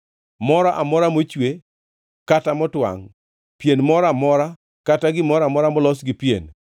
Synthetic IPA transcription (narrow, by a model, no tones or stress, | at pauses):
mɔɾaʔamɔɾamot͡ʃwe | katamɔtwa̰ŋ | pjenmɔɾamɔɾa | kataɡɪmɔɾamɔɾamɔlɔsɡɪpjḛn